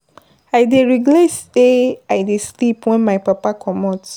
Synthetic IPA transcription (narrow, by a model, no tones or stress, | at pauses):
ajdeɹiɡlajsdeajdeslipwɛ̃nmajpapakʰɔmɔt